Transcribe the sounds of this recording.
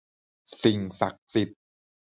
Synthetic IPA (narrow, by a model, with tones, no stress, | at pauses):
si˨˩ŋsa̰˨˩k̚si˨˩p̚